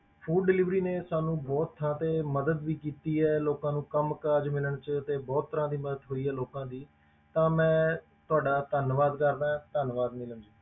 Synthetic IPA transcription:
pʰuːɖɖɪlɪʋɾiːneːsaːnũːbɔːt̪ʰːəɾãːt̪eːməd̪əd̪ʋiːkiːt̪iːɛːloːkãːnũːkəmkaːd͡ʒmɪləɳt͡ʃt̪eːbɔːt̪ʰːəɾãːd̪iːməd̪əd̪ɦoːiːɦɛːloːkãːd̪iː | t̪ãːmɛ̃ː | t̪ʊaːɖaːt̪ənʋaːd̪kəɾd̪aːɦɛ̃ːt̪ənʋaːd̪mɪləmd͡ʒiː

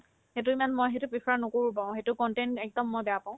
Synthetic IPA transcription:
het̬ʊimanmojɦetʊpɹixɔɹanokoɹupãʊ̃xetʊkɔntɛntɛk̚dɔmːɔjbɛapãʊ̃

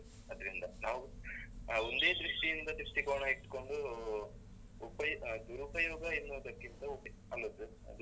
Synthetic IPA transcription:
ɐd̪ɾind̪ɐnaːʋu | ond̪e̞ːd̪ɾuʂʈijind̪ɐd̪ɾuʂʈikoːɳɐiʈːko̞ɳɖu | upɐjd̪uɾupɐjɔːɡɐinːoːd̪ɐkːint̪ɐup | ɐlːɐd̪u | ɐ̰d̪u

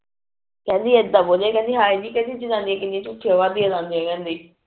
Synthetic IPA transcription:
kɛ̃ːnd̪iːed̪aːboːd͡ʒãːkɛ̃ːnd̪iːɦaːinĩːkɛ̃ːnd̪iːd͡ʒɪnãːnd̪iɛ̃ːkɪnd̪iẽt͡ʃʊkʰːiaːʋaːd̪iːazãːnd̪iãːkɛ̃ːnd̪iː

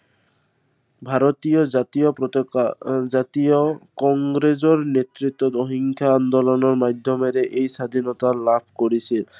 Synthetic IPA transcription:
bʱaɾɔt̪ijɔat̪iɔpɔ | d͡ʒat̪ijɔkɔŋɡɾezɔɾnet̪ɾit̪ːɔt̪ɔɦiŋkʰjaːnd̪ɔlɔnɔɾmad̪ʱjɔmeɾeʔejsad̪ʱinɔt̪alabʰʱkoɾisʰi

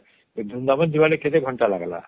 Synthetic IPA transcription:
d̪ʱund̪amɔnd͡ʑʱibalekʰet̪eɡʱɔɳʈalaɡala̰

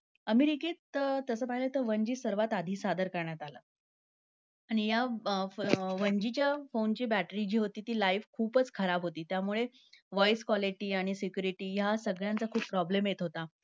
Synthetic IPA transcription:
əmiɾiket̪ət̪əsəːpaɦilət̪əʋəɲd͡ʑiːsəɾʋat̪ad̪ʱiːsad̪əɾkəɾɳjat̪alə̰ː | aɽ̃ija | ʋəɲd͡ʑit͡ɕjafont͡ɕiːbæʈɾid͡ʑiːɦot̪iːt̪iːlaiʋkʰuːpət͡skʰəɾabʱɦot̪iːt̪jamuɭe | ʋɔjskʋɔliʈiːaɽ̃isikjuɾiʈiːjasəɡɭjant͡sakʰuːpːɾɔblemjet̪ɦot̪a

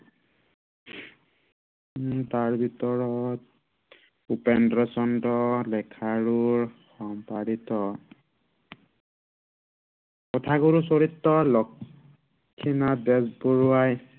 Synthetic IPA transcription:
taɹbʱitɔɹɔt̚ | upɛndɹasɔntɔlɛkʰaɹuɹxɔmpaɾitɔ | kɔtʰaɡuɹusoɹitːɔlɔkʰː | inabɛsbɔɹuaj

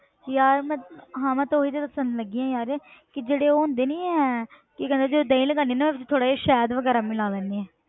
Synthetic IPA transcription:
jaːɾmɛ̃ːɦãːmɛ̃ːt̪oiːt̪et̪əpəsənd̪ləɡiãːjaːɾɛːkɪd͡ʒeːɽeːoːʊ̃nd̪eːnĩːɛ | kɪkɛ̃ːnd̪eːd͡ʒeoːd̪eːĩləɡãːniːnaːmɛ̃ːʋɪt͡ʃt̪ʰoːɽaːiːʃɛːd̪ʋəɡɛːɾaːmɪlaːlɛ̃ːniːɛː

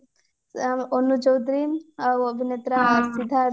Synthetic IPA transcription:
onut͡ʃəwd̪ɾimʋəbʱinet̪ɾasid̪ʱa

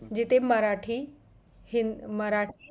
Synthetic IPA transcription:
d͡ʑit̪eməɾaʈʰi | himəɾaʈ

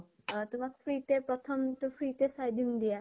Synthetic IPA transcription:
t̪umakpʰɾit̪epɾɔt̪ʰɔmt̪ufʰɾit̪esajd̪ʱimd̪ia

